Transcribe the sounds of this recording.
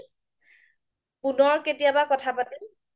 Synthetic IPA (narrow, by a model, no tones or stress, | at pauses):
punɔɹketijabakɔtʰapatil